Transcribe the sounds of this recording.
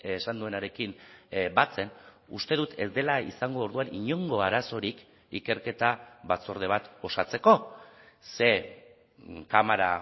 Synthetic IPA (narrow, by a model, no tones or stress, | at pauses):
sand̪ue̞naɾe̞kimbat͡se̞n | ust̪e̞ðut̪e̞zd̪e̞laisaŋɡo̞ːɾðuaniɲo̞ŋɡo̞aɾaso̞ɾik | ike̞ɾke̞t̪aβat͡so̞ɾð̞e̞β̞at̪o̞sat͡se̞ko̞ | se̞ | kamaɾa̰